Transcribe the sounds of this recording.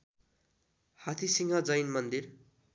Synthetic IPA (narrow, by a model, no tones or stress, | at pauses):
hat̪ʰisiŋad͡zʌjnmʌnd̪ir